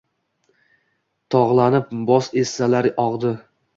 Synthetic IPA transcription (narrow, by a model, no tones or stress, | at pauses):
t̪ʰɒʁlˠanɪp̚bɒsesːalaɾɒʁd̪ɪ